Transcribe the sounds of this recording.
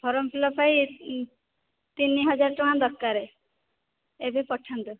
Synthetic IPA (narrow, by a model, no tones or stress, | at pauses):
bʱɔɾɔmpʰilɔpʰai | t̪inːiɦʌd͡ʒaɾʈɔand̪ɔɾkaɾe | ebʱepɔʈʰːant̪ɔ